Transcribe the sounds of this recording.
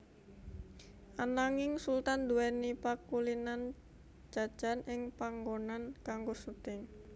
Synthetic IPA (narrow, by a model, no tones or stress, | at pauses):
ʔanaŋɪŋsult̪and̪uɛnipakulinan | d͡ʒ̥ḁʒ̥anʔɪŋpaŋɡonankaŋɡosut̪ɪŋ